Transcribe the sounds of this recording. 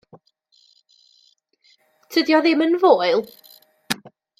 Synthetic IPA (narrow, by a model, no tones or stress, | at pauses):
tʰədjɔðɪmənvoːɨlˠ